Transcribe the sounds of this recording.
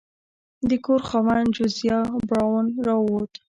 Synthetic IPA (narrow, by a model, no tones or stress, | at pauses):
d̪əkoɾxawand͡ʒʊzjɑbɾɑwnɾɑwot̪